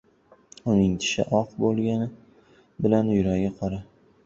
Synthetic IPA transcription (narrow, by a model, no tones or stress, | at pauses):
ʊnɪŋt̪ʰɪ̥ʃɪ̰ʔɒqbolˠɡʲanɪ | bɪlanjʊɾaɡʲɪqʰɒɾa